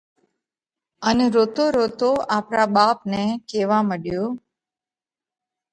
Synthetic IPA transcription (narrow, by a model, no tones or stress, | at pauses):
əneɾot̪oɾot̪oapɾabapnekeʋaməɽjo